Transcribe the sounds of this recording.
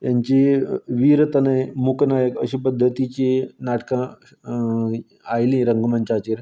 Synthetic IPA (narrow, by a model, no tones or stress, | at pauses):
jaɲt͡ɕiʋiɾt̪ənajmuknajəkəɕipəd̪ʱːət̪it͡ɕenaʈkã | ajlĩɾəŋɡmənt͡ɕat͡ɕeɾ